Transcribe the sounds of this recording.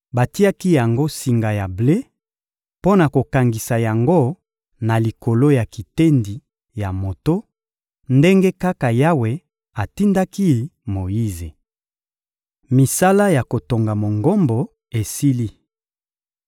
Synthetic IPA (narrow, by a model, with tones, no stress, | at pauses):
ba˨ti˦a˦ki˦ja˨ŋɡo˦si˨ŋɡa˨ja˨ble˦ | po˦na˨ko˨ka˨ŋɡi˨sa˨ja˨ŋɡo˦ | na˨li˨ko˨lo˦ja˨ki˨te˦ndi˨ | ja˨mo˨to˦ | nde˦ŋɡe˦ka˦ka˨ja˦we˨ | a˨ti˦nda˦ki˦mo˨ji˦ze˨ | mi˨sa˦la˦ja˨ko˨to˨ŋɡa˨mo˨ŋɡo˦mbo˨ | e˨si˦li˦